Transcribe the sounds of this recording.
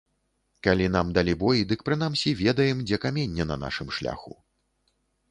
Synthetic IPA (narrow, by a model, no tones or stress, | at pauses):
kalʲin̪amd̪alʲibɔjid̪ɨk̚pɾɨn̪amsʲivʲɛd̪ɐjɛmd͡zʲɛkamʲɛnʲːɛnɐ̰na̰ʂɨmʂlʲa̰xṵ